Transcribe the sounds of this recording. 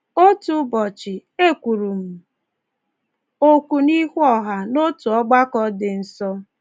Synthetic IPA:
o˦tu˦bɔ˨t͡ʃɪ˨e˦˨kʷu˨ɾu˨m̩˨ | o˦kʷu˨ni˦hʷɔ˦ɦa˨no˦tu˨ɔ˦ɡ͡ba˦kɔ˦dɪ˨n̩˨sɔ˦

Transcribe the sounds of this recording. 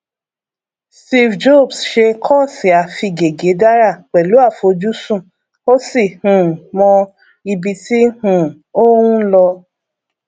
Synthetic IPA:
sti˧fd͡ʒo˦˨bsʃe˧kʰɔ˦˨si˨a˨fi˧ɡe˨ɡe˨˦da˦ɾa˦˨k͡pɛ˨lu˨˦a˦˨fo˨˦d͡ʒu˦sũ˦˨ | o˦si˦˨hũ˨mɔ̃˧ | i˧bi˧ti˦hũ˦˨o˦wũ˦lɔ˧

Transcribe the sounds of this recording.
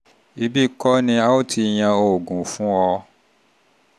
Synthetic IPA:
i˧bi˦˨kɔ˦nĩ˧a˦o˦˨tʰi˧j̃ã˧o˧˨ɡũ˨fũ˨˦ɔ˧

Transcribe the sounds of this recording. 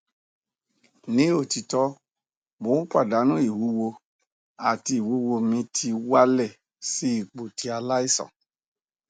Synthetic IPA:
nĩ˨˦o˦˨ti˧tɔ˦ | mo˨˦k͡pʷa˦˨da˨˦nũ˦i˦˨wu˨˦wo˧ | a˨ti˧i˨wu˨˦wo˧mĩ˧tʰi˧wa˦lɛ˦˨ | si˨˦i˦˨k͡po˨ti˧˦a˧la˦i˦˨sɔ̰̃˨

